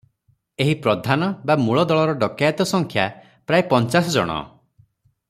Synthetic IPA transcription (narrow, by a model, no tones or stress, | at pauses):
eɦipɾɔd̪ʱanɔbamuɭɔd̪ɔɭɔɾɔɖɔkajat̪ɔsɔŋkʰja | pɾajipɔnt͡ʃasɔd͡ʒɔ̰ɽ̃ɔ̰